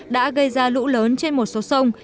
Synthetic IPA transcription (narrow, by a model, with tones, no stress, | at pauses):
ɗa̰ː˧˥ɣə˧jzaː˧lṵ˧˥ləː˨˦nt͡ɕe˧nmo˨˩t̚so˨˦sə˧wŋ͡m